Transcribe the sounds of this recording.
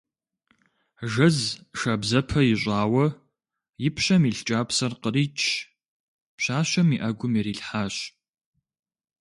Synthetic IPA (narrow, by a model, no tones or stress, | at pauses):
ʒɐzʂɐbzɐpʰɐjɪɕʷʼaːwɐ | jɪpʰɕɐmiːɬt͡ʃʼaːpsɐrqəɾiːt͡ʃʼʰ | pɕaːɕɐmiʔɐɡʷʊmiɾiːɬħaːɕ